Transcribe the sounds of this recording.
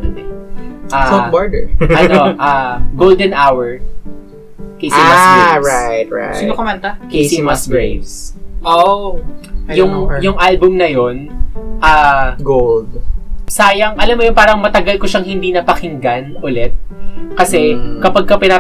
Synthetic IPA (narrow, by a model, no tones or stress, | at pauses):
ɛʔaːobaɹd̪ɛ̰ɐnʔaɡold̪ɛnʔawɛɹ | kesɪaeɹajt̪̚ɹa̰sinokɐmɐnt̪akesɪnmasɡɹejvsʔo | jʊŋjʊŋʔalbʊmnɐjonʔaːɡold̪saːjɐŋʔɐlamːojʊnpaːɾɐŋmɐt̪ɐɡɐlkoʃɐŋhɪnd̪iːnɐpɐkɪŋɡanʔʊlɛt̪̚kɐsɛkɐpɐɡ̚kɐpɪna